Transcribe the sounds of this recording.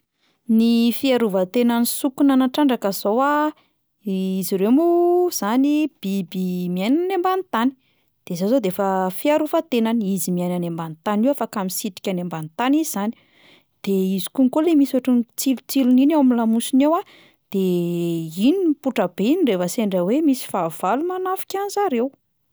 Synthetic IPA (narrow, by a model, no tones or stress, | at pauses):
nifiaɾuvət̪enanisukunanaʈ͡ʂaɳɖ͡ʐakəzowa | iziɾemuz̥anib̥ibimiajnanembanit̪ani̥ | d̪̥ezazod̪efəfiaɾuvat̪enanizimiajnanambant̪aniwafakamisit̪i̥kʲanembant̪anizizani | d̪̥eizi̥kuŋkolemisaʈ͡ʂint͡silut͡siluninawamilamusinewa | d̪̥e | inipuʈ͡ʂəbeiniɳrefəseɳɖ͡ʐawemisi̥fav̥alumanafi̥kʲanzaɾew